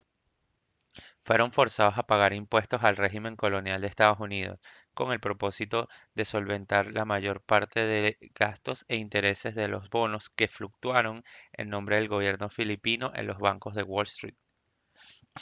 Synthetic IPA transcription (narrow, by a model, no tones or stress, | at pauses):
fwe̞ɾo̞ɱfo̞ɾsað̞o̞sapaɣaɾimpwe̞st̪o̞salre̞ximẽ̞ŋko̞lo̞njald̪eːst̪aðo̞sunið̞o̞̰s | ko̞ŋe̞lpɾo̞po̞sit̪o̞ðe̞so̞lβe̞nt̪aɾlamaʝo̞ɾpaɾt̪e̞ðe̞ɡast̪o̞se̞int̪e̞ɾe̞se̞zðe̞lo̞zβo̞no̞ske̞fluk̚t̪waɾo̞ŋe̞̰nːo̞mbɾe̞ðelɣo̞β̞je̞ɾno̞filipino̞ʔe̞̰nlʔo̞zβaŋko̞zðe̞wo̞lst̪ɾit̪̚